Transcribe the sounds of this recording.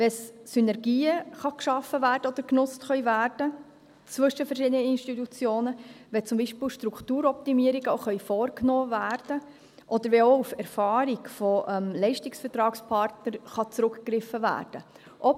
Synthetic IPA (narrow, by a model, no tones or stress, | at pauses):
ʋɛssynɛɾɡiːəχɑkʃɑfəvæːɾd̥əɔd̪əɾknʊt͡stχœʏvæːrd̥ə | t͡svʏʃəfɛɾʃiːd̪ənəinʃtitut͡sjoːnəʋɛt͡sʊmbiːʃpɪːlʃtɾuktuːɾɔp̚t̪imiəɾiɡəoχœʏfɔːrknɔːvæːɾd̥ə | ʔɔd̥̪əɾʋɛoufɛɾfɑːɾiɡfɔʔɛmlɛɪʃtɪksfɛɾtɾɑːkspʰɑɾtnəɾχɑt͡sɾʊkkɾɪfːəvæ̰ːrd̥ə | ʔɔ